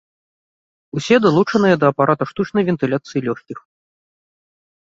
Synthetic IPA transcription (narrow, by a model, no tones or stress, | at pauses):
usʲɛd̪alˠut͡ʂɐnɨjɛd̪ɐːpaɾat̪uʂt̪ut͡ʂnɐjvʲɛnt̪ɨlʲat̪sɨjilʲɔxʲkʲix